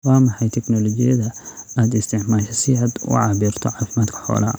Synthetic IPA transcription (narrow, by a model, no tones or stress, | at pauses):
wɑːmɑħɑjt̪ʰɛknɔlɔt͡ʃɪjɐðɐaːd̪ɪst̪ʰɪʕmaːʃɐsɪaːd̪ʊ̰ʕɑːβiːrt̪ʰɔʕɑːfɪmaːd̪kʰɐ̥ħɔ̰ːlɐː